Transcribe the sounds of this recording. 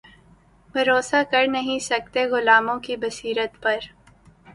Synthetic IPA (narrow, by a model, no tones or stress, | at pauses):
bʱɐɾoːsakɐɾnɐɦĩsɐk̚t̪eɣʊlaːmõkibɐsiːɾət̪pɐɾ